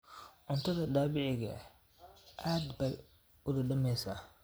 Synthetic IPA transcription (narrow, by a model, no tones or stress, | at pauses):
ʕʊnt̪ʰɐðɐd̪aːβɪʕɪɣɐ̰ | ʔaːd̪bɛj | ʊðɐɖɐmɛjsaː